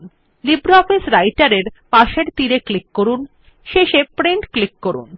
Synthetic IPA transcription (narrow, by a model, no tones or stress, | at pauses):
n | libɾoɔfisɾajʈaɾeɾpaʃeɾt̪iɾeklikːoɾun | ʃeʃepɾiɳʈklikːoɾṵn